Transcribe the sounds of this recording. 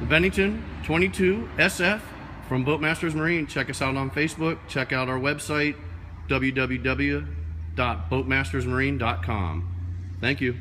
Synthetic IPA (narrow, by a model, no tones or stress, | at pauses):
bɛ̃ñɪ̃ŋtɨ̃ntʰw̥ɛ̃ɾ̃itʰʉɛsɛfː | ɹʌ̃mboʊt̚mæstə˞zmə˞ĩnt͡ʃʰɛkʌsaʊɾn̩feɪsb̥ʊk̚t͡ʃʰɛkaʊɾaʊə˞wɛbsaɪt̚ | d̥ʌbl̩ˠjʉdʌbl̩ˠjʉdʌbl̩ˠjʉd̥ɑt̚b̥oʊt̚mæstə˞zmə˞ĩndɑt̚kʰɑ̰̃mθæ̃ŋkjʉ